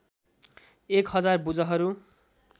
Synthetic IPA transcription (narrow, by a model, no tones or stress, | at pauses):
ekhʌd͡zarbud͡zʌɦʌɾu